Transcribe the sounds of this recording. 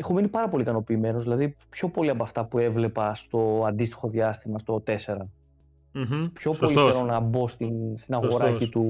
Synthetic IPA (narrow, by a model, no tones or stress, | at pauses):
exominipɐɾɐpo̞likɐno̞piːme̞no̞zðilɐðipço̞po̞liɐpoɐft̪ɐpue̞vle̞pɐst̪o̞ɐnd̪ist̪i̥xo̞ðjɐst̪imɐst̪o̞t̪e̞se̞ɾɐ | pço̞po̞liçeɾo̞nɐbo̞st̪inst̪inɐɣo̞ɾɐcit̪u